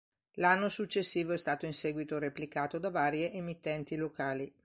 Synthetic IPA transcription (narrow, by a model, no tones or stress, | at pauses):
lanːosut͡ʃːesːiːvoɛst̪aːt̪oinsɛːɡwit̪oɾeplikaːt̪od̪avaːɾjeʔemit̪ːɛnt̪ilokaːli